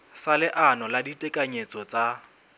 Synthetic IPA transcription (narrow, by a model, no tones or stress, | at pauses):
salɪʔanɔladitʼɛkʼaɲet͡sʼɔt͡sʼa